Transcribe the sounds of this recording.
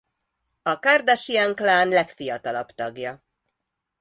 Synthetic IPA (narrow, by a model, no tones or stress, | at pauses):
ɒkard̪aʃiɛŋklaːnlɛkfijɒt̪ɒlɒbt̪ɒɡjɒ